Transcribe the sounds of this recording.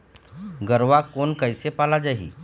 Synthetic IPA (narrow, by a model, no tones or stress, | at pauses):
ɡəɾʋakonkəjsepalad͡ʑaɦḭː